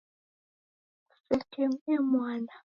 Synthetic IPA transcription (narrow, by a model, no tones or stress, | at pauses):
sɛtʰemɛmwana